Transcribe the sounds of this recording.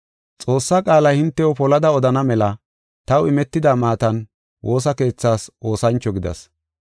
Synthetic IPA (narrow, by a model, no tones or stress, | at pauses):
t͡sʼo̞ːsːaːkʼaːlɐjhɪnt̪ːɛɔpɔlɐd̪ɐɔd̪ɐnɐmɛlɐ | t̪ɐwɪmɛt̪ːɪd̪aːmaːt̪ɐn | wʔo̞ːsɐke̞ːt͡sːaːsʔo̞ːsɐnt͡ʃːɔɡɪd̪ɐ̰s